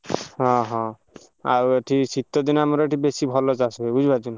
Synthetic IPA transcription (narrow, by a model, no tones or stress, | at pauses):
ɦɔ̃ɦɔ̃ | a̰wʈʰisit̪ɔd̪inamɔɾɔʈibesibʱɔlɔt͡ʃasuebud͡ʒʱbad͡ʒun